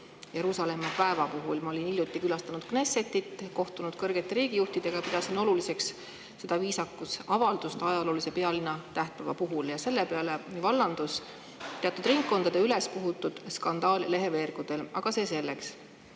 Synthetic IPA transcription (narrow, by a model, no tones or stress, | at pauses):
je̞ɾuːsɑle̞mːɑpæevɑpuɦulmɑo̞linilʲjut̪ːˑikylɑst̪ɑnud̪̥kneset̪ːˑit̪ːko̞ht̪unud̪̥̚kɤrɡ̥et̪ːe̞ɾiːɡ̥ijuht̪id̪̥e̞ɡ̥ɑpid̪̥ɑsino̞lulise̞ks | se̞d̪̥ɑviːsɑkːusɑvɑld̪̥ust̪ɑjɑlo̞ːlise̞pe̞ɑlinːɑt̪æht̪ɑvɑpuɦuljɑse̞lːepeɑle̞nivɑlːɑnd̪̥us | t̪e̞ɑt̪ːˑud̪riŋkːo̞nd̪̥ɑd̪eyle̞spuɦut̪ːˑud̪̥skɑnd̪̥ɑːlle̞ɦe̞ve̞ːrɡ̥ud̪̥e̞lɑɡ̥ɑse̞ːse̞lːe̞ks